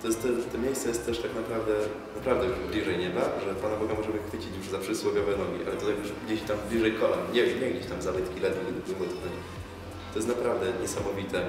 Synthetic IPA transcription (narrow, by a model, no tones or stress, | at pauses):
t̪ɔjɛst̪ɛt̪ɛmʲjejssɛjɛst̪t̪ːɛʂt̪aknapɾavd̪ɛ | napɾavd̪ɛjuʐblʲiʐɛjɲɛbaʐɛpanabɔɡamɔʐɛmɘxfɘt͡ɕit͡ɕjuʐzapʂɨswɔvʲjɔvɛnɔɡʲḭʔa̰lɛt̪ɔt̪ajjuʐɡd͡ʑeɕt̪amblʲiʐɛjkɔamɲɛɲɛɡd͡ʑeɕt̪amzabɘt̪kʲilɛd̪vʲiɡ̪d̪buvɔt̪knɛ | t̪ɔjɛst̪napɾavd̪ɛɲɛsamɔvʲit̪ɛ